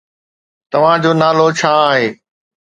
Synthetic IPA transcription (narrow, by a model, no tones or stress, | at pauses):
t̪ɐʋ̤ãd͡ʑoːnaːlot͡ɕʰaːɦeː